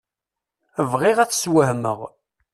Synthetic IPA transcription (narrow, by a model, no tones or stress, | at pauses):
əvʁɪʁæθswəhmə̰ʁ